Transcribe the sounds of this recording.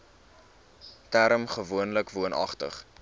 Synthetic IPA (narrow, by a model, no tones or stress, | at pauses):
tæɾəmχəvuənləkvuənʔɐ̰χtə̰χ